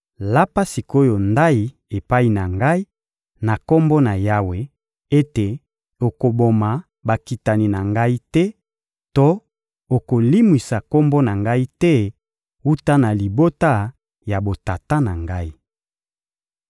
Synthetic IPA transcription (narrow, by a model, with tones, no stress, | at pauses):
la˦pa˦si˨ko˦jo˨nda˦i˨ | e˨pa˦i˨na˨ŋɡa˦i˦ | na˨ko˦mbo˦na˨ja˦we˨ | e˦te˨ | o˨ko˨bo˨ma˨ | ba˨ki˨ta˨ni˨na˨ŋɡa˦i˦tɛ˦ | to˦ | o˨ko˨li˦mwi˨sa˨ko˦mbɔ˦na˨ŋɡa˦i˦tɛ˦ | u˦ta˦na˨li˨bo˦ta˦ | ja˨bo˨ta˨ta˦na˨ŋɡa˦i˦